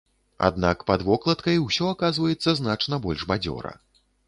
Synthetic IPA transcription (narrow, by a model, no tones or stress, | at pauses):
a̰d̪nakpɐd̪vɔklˠɐt̪kɐjwsʲɔakazvɐjɛt̪sːɐznat͡ʂnɐbɔlʲʐbad͡zʲɔ̰ɾɐ̰